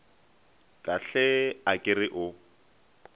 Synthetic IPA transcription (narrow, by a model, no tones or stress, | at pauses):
kʼaɬɛakʼɪrɪʔʊ